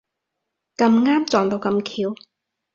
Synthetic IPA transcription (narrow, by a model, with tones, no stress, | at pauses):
kɐ˧mŋaː˥mt͡sɔː˨˩ŋt̪o˧wkɐ˧mkʰiː˧w